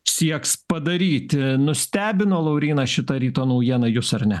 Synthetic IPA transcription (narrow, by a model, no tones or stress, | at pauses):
sʲiɛkspɐd̪ɐɾʲiːt̪ʲnʊsʲt̪ʲæːbʲɪnoːlˠɐʊɾʲiːnɐʃʲɪt̪ɐɾʲiːt̪oːnɐʊjiɛnɐjʊsɐrnʲɛ